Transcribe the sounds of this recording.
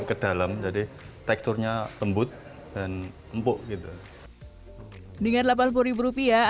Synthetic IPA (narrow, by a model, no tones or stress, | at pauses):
kəd̥alamd͡ʒadi | t̪ɛk̚t̪ʊrɲaləmbʊt̪̚ | d̥an | əmpʊʔɡit̪u | dəŋarlap̬anpuɾibuɾupia